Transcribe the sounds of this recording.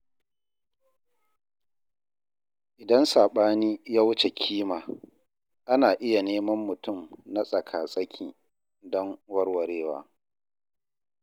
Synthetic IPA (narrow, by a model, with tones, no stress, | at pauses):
ʔɪ˨dɐ˦nsaː˨ɓaː˦niː˦jaː˦wʊ˦t͡ʃe˨kʲʰiː˦maː˨ | ʔa˦naː˨ʔɪ˦ja˨neː˦mɐ˦mːʊ˨tʊ˦˨mna˦sʼɐ˨kʰaː˨sʼɐ˦kʲʰiː˨ | dɔ˦ŋwɐ˦rwɐ˨ɾeː˦wa̰ː˦